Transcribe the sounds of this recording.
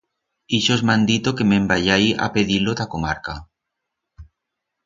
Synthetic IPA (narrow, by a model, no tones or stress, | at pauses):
iʃozmãnd̪it̪okemẽmbaʎaja̰peðilot̪akomaɾka